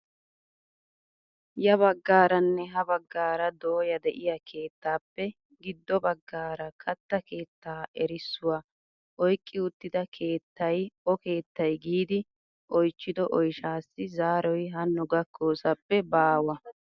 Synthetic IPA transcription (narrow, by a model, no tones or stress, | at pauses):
jɐβɐɡːaːɾɐnːɛɦɐbɐɡːaːɾɐd̪oːjɐd̪ɛʔɪjɐkʰe̞ːt̪ːaːpːɛ | ɡɪd̪ːɔbɐɡːaːɾɐkʰɐt̪ːɐke̞ːt̪ːaːʔɛɾɪsːʊwa | ʔɔjkʼːɪʊt̪ːɪd̪ɐkʰe̞ːt̪ːɐjɔke̞ːt̪ːɐjɡiːd̪ɪ | ʔɔjt͡ʃːɪd̪ɔʔɔjʃaːsːɪzaːɾɔjɦɐnːʊɡɐkʰːoːsɐpːɛbaːwɐ